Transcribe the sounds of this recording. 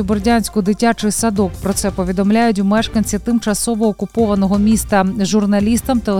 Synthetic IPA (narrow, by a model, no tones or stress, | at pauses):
ʊbɔrdʲanʲsʲkʊd̪ɪtʲat͡ʃɪjsɐd̪ɔkpɾɔt̪sɛpɔʋʲid̪ɔmlʲajʊtʲwmɛʃkɐnʲt͡sʲit̪ɪmt͡ʃɐsɔʋɔːkʊpɔʋɐnɔɦɔmʲist̪ɐʒʊrnɐlʲist̪ɐmt̪ɐ